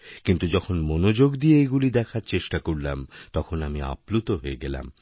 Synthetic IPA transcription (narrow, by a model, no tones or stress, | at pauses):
kint̪ud͡ʑɔkʰonmonod͡ʑoɡd̪ieejɡulid̪ɛkʰaɾt͡ɕeʃʈakoɽla̰mt̪ɔkʰonamia̰plut̪oɦoeɡɛla̰m